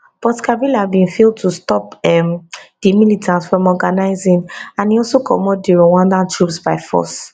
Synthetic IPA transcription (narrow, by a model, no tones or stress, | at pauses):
b̥ɔtkʰabilabĩnfeld̚tʰustɔpɛmd̥imilitʰãntsfɹɔ̃mɔɡanaɪzĩnãniɔlsokʰɔ̰mɔdiɹɔwãndãntʰɹupsbaɪfɔ̰s